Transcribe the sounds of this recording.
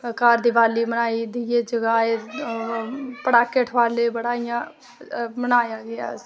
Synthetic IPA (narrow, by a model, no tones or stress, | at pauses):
kaːɾd̪iːʋaːliːmənaːid̪ied͡ʒəɡaːe | pəɽaːkːeːʈʰʋaːleːbəɽaːijãː | mənaːjaːɡɪja̰ː